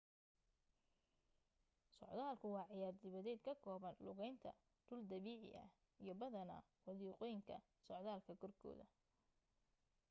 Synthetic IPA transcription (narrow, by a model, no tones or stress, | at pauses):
sɔ̰ʕd̪aːlkʰʊwɑːʕɪjaːrd̪ɪβɐðɛːd̪̚kʰɐkʰɔːβɐnlʊɣɛjnt̪ʰɐ̰ | d̪̥ʊld̪ɐβiːʕɪ̰ʔɐ̰h | ijɞbɐðɐnɐ̰ | wɑðiːqɔjɪŋkʰɐ̰ | sɔʕðaːlkʰɐɡʰɔrkʰɔ̰ːðɐ̰